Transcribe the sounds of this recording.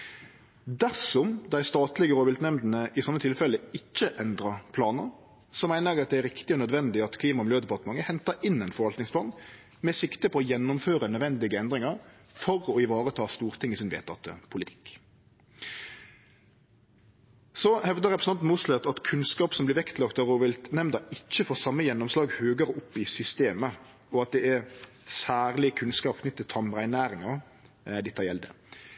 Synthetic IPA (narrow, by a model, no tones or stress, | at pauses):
d̪æʁsɔmd̪æɪst̪ɑːt̪lɪɡəɾoːʋɪlt̪nɛmd̪n̩əʔɪsɑmːət̪ʰɪlfɛləɪçːəʔɛnd̪ʁəpʰlɑːnəɾ | sɔmæɪnəɑt̪̚d̪ɛæɾɪkt̪ɪɔnœd̪ʋɛnd̪ɪɑt̪kʰliːmɑmløːd̪ɛpʰɑʁt̪əmɑŋəhɛnt̪əɪnːɛɪnfɔɾʋɑlt̪nɪŋsplɑːn | mɛsɪkt̪əpʰɔɔjɛnːʊmføːʁənœd̪ʋɛnd̪ɪɡəɛnd̪ʁɪŋɑɾ | fɔɾɔɪʋɑːʁət̪ʰɑːst̪uːʁt̪ʰɪŋisɪnʋḛːt̪ʰːɑ̰t̪ːə̰pʰʊlɪt̪ʰɪ̥k | sɔhɛʋd̪əʁɛpɾəsn̩ɑnt̪muːslɛt̪ɑt̪kʰʉnskɑːpsɔmblɪɾʋɛkt̪ʰlɑkt̪ɑʁuːʋɪlt̪nɛmnd̪ɑɪc͡çːəfɔʁsɑmːəjɛnːʊmslɑːɡhøːɡəɾʊpːɪsʏst̪eːmə | ɔɑt̪̚d̪ɛæɾ | sæːʁlɪkʰʉnskɑːp̚kʰnʏt̪ːət̪ʰːɑmʁæɪnæːɾɪŋɑʁ | d̪ɪt̪ʰːɑjɛld̪ə̰